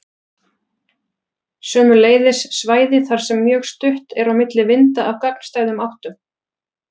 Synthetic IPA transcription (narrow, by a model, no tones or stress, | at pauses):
sœːmʏleːjðɪsːvaːjðɪθaɾ̥sɛmːjœːɣst̪ʏht̪ɛɾawmɪt̪lɪvɪnt̪aʔawkak̚n̥st̪aːjðʏmawht̪ʏm